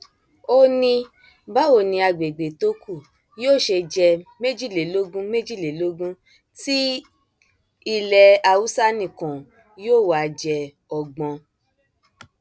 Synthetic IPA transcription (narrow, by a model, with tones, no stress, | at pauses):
o˧nĩ˧ | ba˦o˦˨nĩ˧a˧ɡ͡be˨ɡ͡be˨to˨˦ku˦˨ | joː˦˨ʃe˧d͡ʒɛ˧me˦d͡ʒi˦˨le˨lo˦ɡũ˦me˦d͡ʒi˦˨le˨lo˦ɡũ˦ | ti˦ | i˧˨lɛ˧a˧wu˦sa˦nĩ˨kɔ̃˨ | joː˦˨wa˨d͡ʒɛ˧ | ɔ˨ɡ͡bɔ̃˧